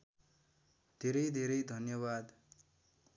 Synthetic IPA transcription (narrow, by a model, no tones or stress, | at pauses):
d̪ʱeɾʌjd̪ʱeɾʌjd̪ʱʌnjʌβad̪